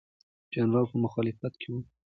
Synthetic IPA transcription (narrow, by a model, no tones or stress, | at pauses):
d͡ʒɑnɾɑwpəmʊxɑlɪfat̪kʰewu